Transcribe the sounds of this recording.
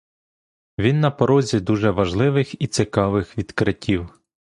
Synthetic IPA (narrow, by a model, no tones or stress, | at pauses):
ʋʲinːɐpɔɾɔzʲid̪uʒɛʋɐʒlˠɪʋɪxit̪sɪkɑʋɪxʋʲid̪kɾɪtʲiw